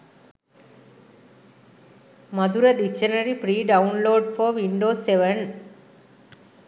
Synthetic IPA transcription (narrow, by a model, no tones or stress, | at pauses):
mɐd̪uɾɐd̪ikt͡ʃɐnɐɾipɾiːɖɐunloːɖfoʋiɳɖoːseʋɐn